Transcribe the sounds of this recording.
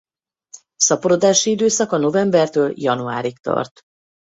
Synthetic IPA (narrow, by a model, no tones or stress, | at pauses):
sɒpoɾod̪aːʃiid̪øːsɒkɒno̞vɛmbɛrt̪øːljɒnua̰ːɾikt̪ɒ̰rt̪